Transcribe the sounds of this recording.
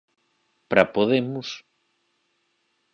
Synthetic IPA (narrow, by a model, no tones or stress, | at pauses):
pɾapoðemus